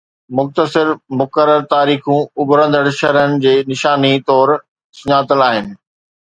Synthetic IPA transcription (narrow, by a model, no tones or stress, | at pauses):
mʊxt̪əsɪɾmʊkəɾːəɾt̪aːɾiːxũʊbɾə̃nd̪əɽʃɐɦɾənɪ̆d͡ʑeːnɪʃaːnit̪ɔːɾ | sʊɲaːt̪əlaːɦɪnɪ̆